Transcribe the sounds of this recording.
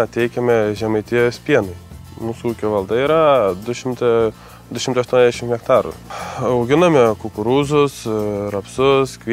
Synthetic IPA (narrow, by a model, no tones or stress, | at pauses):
ɐt̪ʲɛɪkʲɛmʲɛʒʲɛmɐɪt̪ʲiɛjsʲpʲiɛnʊɪmuːsuuːkʲoːʋɐlˠd̪ɐiːɾɐd̪ʊʃʲɪmt̪ɐ | d̪ʊʃʲɪmt̪ɐɪʃt̪ɔːnʲzd̪ʲɛʃɪmhʲɛkt̪ɑːɾṵːɐʊɡʲɪnɐmʲɛkʊkʊɾuːzʊsɾɐpsʊskʋʲ